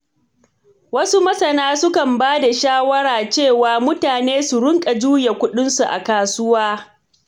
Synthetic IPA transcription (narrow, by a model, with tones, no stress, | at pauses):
wɐ˦su˦mɐ˦sɐ˨naː˦sʊ˦kɐ˨mbaː˦da˨ʃaː˦wɐ˦ɽaː˨t͡ʃeː˦˨waː˨mʊ˦taː˨neː˦su˨ɽʊ˦ŋkʼa˨d͡ʒuː˦ja˨kʷʊ˦ɗɪ˦nsu˨ʔa̰˨kaː˨sʊ˦waː˦